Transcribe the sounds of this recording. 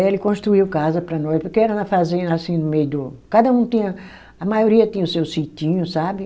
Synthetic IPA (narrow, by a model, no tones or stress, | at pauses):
elɪkõʃt̪ɾuiwkazɐpɾɐnɔjspoɾkeɛɾɐnɐfazẽɐasĩnʊmejʊd̪ʊkad̪ɐũt̪ĩɲɐ | ɐmajoɾiɐt̪ĩɲɐʊsewsit̪ĩɲʊsabɪ